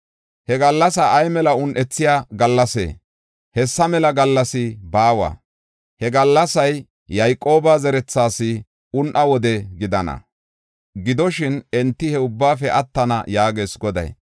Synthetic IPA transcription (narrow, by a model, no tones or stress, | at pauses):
hɛɡɐlːɐsɐʔːjmɛlɐʊnʔɛt͡sːɪjaːɡɐlːɐsḛː | hɛsːɐmɛlɐɡɐlːɐsɪbaːwɐ̰ː | hɛɡɐlːɐsɐjː | ɐjkʼːo̞ːbazɛɾɛt͡sːaːsɪ | ʊnʔɐwɔd̪ɛɡɪd̪ɐnɐ̰ | ɡɪd̪ɔʃɪnɛnt̪ːɪhɛʊbːaːfɛʔɐt̪ːɐnɐ̰jaːɡe̞ːsɡɔd̪ɐ̰j